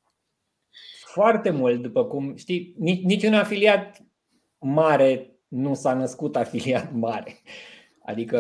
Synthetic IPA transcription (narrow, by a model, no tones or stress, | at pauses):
foart̪e̞mult̪̚d̪upəkumʃt̪ininit͡ʃʲunafiliat̪̚ | maɾe̞ | nusanəskut̪afiliat̪maɾe | a̰d̪ikə